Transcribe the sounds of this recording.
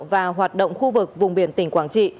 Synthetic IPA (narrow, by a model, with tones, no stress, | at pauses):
vaː˨˩ɦwaː˨˩t̚ɗo̰˧˨wŋ͡mxu˧vɨ˨˩k̚vʊ˨˩ŋ͡mɓi˨˩ənt̪ï˧˩ŋ̟kwaː˨˦nt͡ɕḭ˧˨